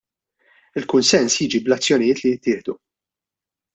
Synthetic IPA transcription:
ɪlkʊnsɛnsjiːd͡ʒiblɐt͡sːjɔnɪjɪːt̪lijɪt̪ːɪːħd̪u

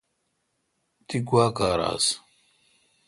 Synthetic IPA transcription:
t̪iɡwaːkaːɾa̰ːs

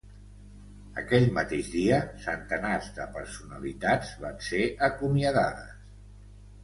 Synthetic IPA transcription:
ə̰kɛʎmət̪eʒðiəsənt̪ənazðəpəɾsunə̰lit̪ad͡zβanseʔəkumiəðaðə̰s

